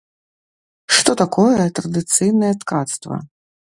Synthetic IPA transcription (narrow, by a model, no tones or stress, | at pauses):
ʂt̪ɔt̪akɔjɛt̪ɾɐd̪ɨt̪sɨjnɐjɛt̪kat̪st̪vɐ̰